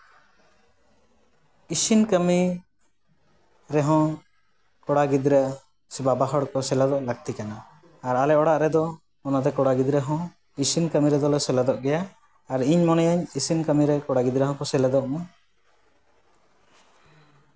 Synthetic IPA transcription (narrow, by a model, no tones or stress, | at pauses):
isinkəmi | ɾɛɦɔ̃ | kɔɽaɡid̪ɾəʔ | sibabaɦɔɽkɔsɛlad̪ɔʔlaɡ̚t̪ikanaː | ɾalɛʔɔɽaʔɾɛd̪ɔ | mɔnad̪ɛkɔɽaɡid̪ɾɛɦɔ̃ | isinkəmiɾɛd̪ɔlɛsɛlad̪ɔʔɡɛjaː | ɾiɲmɔnɛjaɲisinkəmiɾɛkɔɽaɡid̪ɾɛɦɔ̃kɔsɛlad̪ɔʔma